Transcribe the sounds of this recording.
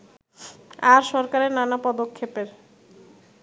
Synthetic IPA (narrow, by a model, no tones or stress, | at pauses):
aɾʃɔɾkaɾeɾnanapɔd̪okʰːepeɾ